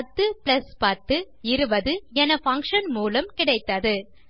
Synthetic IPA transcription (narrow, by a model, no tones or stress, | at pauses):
ɐt̪ːɯpɪlɐspɐɾt̪ːɯ | ɪɾɯbɐðɯɛnɐfɐŋkʂɐnmuːlɐmkɪɽɐɪt̪ːɐðɯ